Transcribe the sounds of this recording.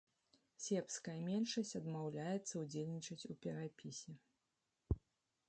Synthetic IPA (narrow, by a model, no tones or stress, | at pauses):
sʲɛpskɐjɐmʲɛnʂɐsʲt͡sʲɐd̪mawlʲajɛt̪sːɐud͡zʲelʲnʲit͡ʂɐt͡sʲupʲɛɾapʲisʲɛ